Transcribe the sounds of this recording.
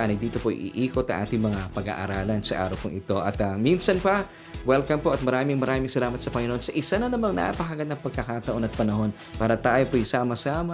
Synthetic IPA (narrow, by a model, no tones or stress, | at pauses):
ʔanɐd̪iːt̪o̞poʔjʔɪ̰ʔiːkot̪ːɐ̰ŋʔa̰ːt̪ɪŋmɐŋapɐɡa̰ːʔa̰ɾaːlɐnsɐʔa̰ːɾɐwpʊŋʔɪt̪o̞ʔɐt̪ɐminsɐnpɐ | wɛlkɐmpoʔɐt̪̚mɐɾaːmɪŋmɐɾaːmɪŋsɐlaːmɐt̪̚sɐpɐŋɪnoonsɐʔɪsanɐnɐmɐŋna̰ʔapɐɦaɡɐnːɐŋpɐɡ̚kɐkaːt̪ɐʔo̞nɐt̪̚pɐnɐɦo̞n | paːɾɐt̪aːjopojsaːmɐsaːmɐ